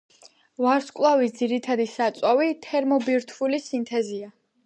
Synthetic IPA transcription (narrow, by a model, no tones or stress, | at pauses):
vaɾskʼlˠavisd̪ziɾit̪ʰad̪isat̪sʼwavit̪ʰɛɾmɔbiɾt̪ʰvulisint̪ʰɛzia